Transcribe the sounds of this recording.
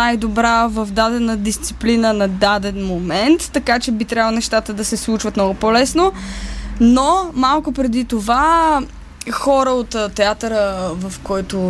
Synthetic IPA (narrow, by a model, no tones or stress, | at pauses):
ajd̪obɾavɐvd̪ad̪ɛnəd̪ist̪si̥plinənɐd̪ad̪ɛnmomɛnt̪ːɐkat͡ʃɛbit̪ɾʲavəlˠonɛʃt̪at̪əd̪ɐsɛslˠut͡ʃvɐt̪mnɔɡʊpɔlɛsno | nomalˠkʊpɾɛd̪it̪ova | xɔɾəot̪ːt̪ːɛat̪əɾəvɐfkɔjt̪o